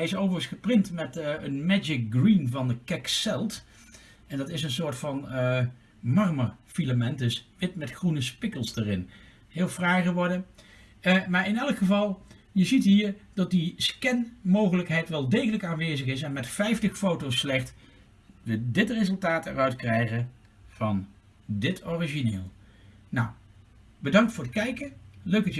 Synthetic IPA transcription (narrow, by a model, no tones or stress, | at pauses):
ɛɪsowvəɣəsχəprɪntmɛtənmɛd͡ʒɪk̚ɡrinvɑnəkɛksɛlˠt | ɛndɑtɪsənsoːɹtfɑn | mɑrməɹfiləmɛntdɵsʋɪtmɛtχrunəspɪkəlˠsdarɪn | ɦɪːlˠfraːχəʋɔɹdə | maːɹɪnɛlˠəkχəvɑlˠ | jəzitɦiːɹdɑt̚diskɛnmowχələkɦɛjtʋɛlˠdejχələkaːnʋejzəχɪsɛnmɛtfɛjftəχfowtowsːlɛχt | ʋədɪtrezəlˠtaːtɛ̰rœɥtkrɛjχə | v̥ɑn | dɪtʰoriʒinḛːlˠ | na̰w | bədɑŋktfʊːɹətkɛjkəløɥk̚dɑt